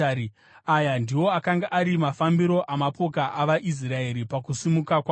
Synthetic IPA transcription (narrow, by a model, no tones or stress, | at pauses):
i | ajandiwo̞akaŋɡaʔaɾimafambiɾo̞ʔamapo̞kaʔaʋaʔis̬raeɾipakusimukakwa